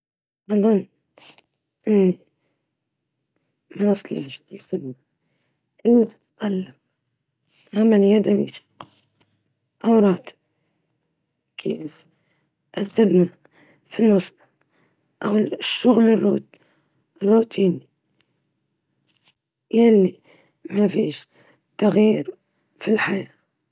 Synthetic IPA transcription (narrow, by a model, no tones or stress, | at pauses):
ʔɑðˤʊn | ʔɪi | mɑɾɑsˤlḭʕʃɪlxɪd̪ma | ʔit̪ḁt̪qalːam | hamaljad̪awḭt̪ɑ̥q | ʔawɾˤɑːt̪b̚ | kʰḛːf | ʔɪlxɪd̪ma | filmɑsˤ | ʔawʃːʊɣlɪrːuːt̪ | rːuːt̪ʰiːni | jalːi | mafiːʃ | t̪ːaɣjiːɾ | filħajaː